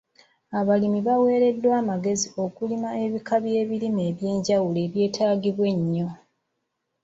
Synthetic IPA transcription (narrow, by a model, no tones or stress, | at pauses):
aβalimiβawe̞ːɾe̞dːwaːmaɡe̞zio̞kulimae̞βikaβje̞ːβilime̞ːβje̞ːɲɟawule̞ːβje̞ːtʰaːɡiβwe̞ɲːo̞